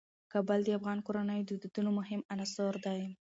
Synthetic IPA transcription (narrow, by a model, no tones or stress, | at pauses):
kɑbəld̪əafɣɑnkoɾanəjod̪əd̪ud̪unomʊɦɪmanasoɾd̪aj